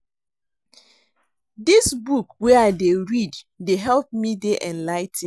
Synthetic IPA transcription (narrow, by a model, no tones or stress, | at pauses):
disbukweaɪdeɹid | deɦɛlˠp̚mideʔɛ̃nlaɪtĩ